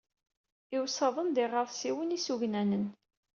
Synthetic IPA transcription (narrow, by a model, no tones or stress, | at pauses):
ɪwsɑðˤənd̪ɪʁəðˤsiwənisuʝnænən